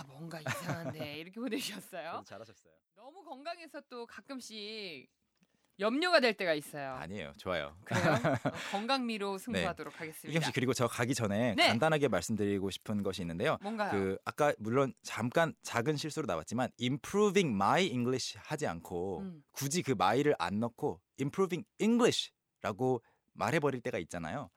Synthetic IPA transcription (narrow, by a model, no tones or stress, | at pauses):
amwʌŋɡaeiɾʌkʰeboneɕiʌs͈ʌjot͡ɕaɾaɕʰʌs͈ʌjonʌmukʌŋɡaŋe̞sʰʌt͈okak͈ɯmɕ͈i | jʌmɲoɡadwe̞ɭt͈e̞ɡais͈ʌjoa̰ɲiḛjo̰t͡ɕoajo̰kɯ | kʌŋɡaŋmiɾosʰɯŋɡneadoɾokʰaɡe̞s͈ɯmikɯmɕ͈ikɯɾiɡot͡ɕʌkaɡid͡ʑʌne̞nandanɦaɡe̞maɭs͈ɯmdɯɾiɡoɕʰi̥pʰɯnɡʌɕʰiːnːɯnde̞joʌŋɡajkɯak͈amuɭːont͡ɕamk͈ant͡ɕaɡɯnɕʰiɭs͈uɾonawat̚t͡ɕ͈imanimpʰɾubiŋmaiiŋɡɭiɕʰihad͡ʑia̰nkʰokud͡ʑikɯmaiɾɯɾʔa̰nːʌkʰo | impʰɾubiŋiŋɡɭiɕʰi̥ | ɾaɡo | ma̰ɾɦe̞bʌɾiɭt͈e̞ɡait̚t͡ɕ͈ana̰jo